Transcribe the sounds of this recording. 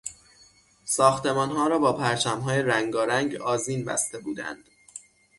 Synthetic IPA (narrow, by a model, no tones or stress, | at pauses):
sɒːxt̪e̞mɒːnɦɒːɾɒːbɒːpʰæɾt͡ʃʰæmɦɒːjeɾæŋɡɒːɾæŋɟɒːziːnbæ̰st̪e̞buːd̪æ̰nd̪̥